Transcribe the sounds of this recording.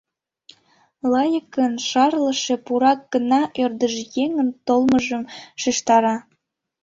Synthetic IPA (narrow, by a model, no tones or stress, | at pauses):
lɑjəkənʃɑrləʃepuɾɑk̚ɡ̥ənɑʔørd̪əʒjeŋənt̪olməʒəmʃiʃt̪ɑɾɑ